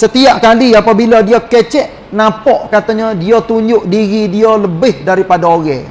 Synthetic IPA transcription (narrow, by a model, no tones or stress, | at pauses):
sət̪iaʔkaliapabiladiakɛt͡ʃɛʔ | napɔʔkat̪aɲadiat̪uɲd͡ʒʊʔdiɣidialəbɪhdaɾipadaoɣɛ